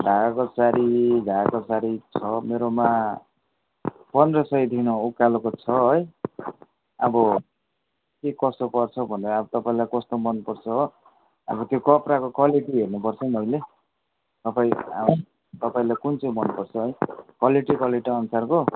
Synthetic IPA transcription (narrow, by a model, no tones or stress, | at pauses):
d̪ʱakosaɾidʱaakosaɾit͡sʰʌmeɾoma | pʌnd̪rʌsʌjd̪ʱinoukːalokot͡sʰʌɦʌj | ʌbʌ | kekʌst̪opʌrt͡sʰʌbʱʌneɾabʌt̪ʌpaĩlajkʌst̪omʌnpʌrt͡sʰʌɦ | ʌ̰bʌt̪jokʌprakokwaliʈiɦernupʌrt͡sʰʌnʌjle | t̪ʌpaḭ̃ | t̪ʌpaĩlajkunt͡sʌmʌnupʌrt͡sʰʌɦʌjkwaliʈikaliʈiʌnusarko